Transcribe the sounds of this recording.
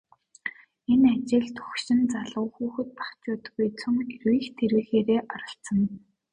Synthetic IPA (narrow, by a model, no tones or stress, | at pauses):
enat͡ɕɪ̆ɮt̪ʰɵ̥xʃɪ̆nt͡saɮʁʊːxuːxɘ̆t̪̚pḁkt͡ɕʊːt̪̆ɣujt͡sʰɵŋerwiːxt̪ʰeɾwiːxeːɾeːʔɔɾɞ̆ɬsə̆n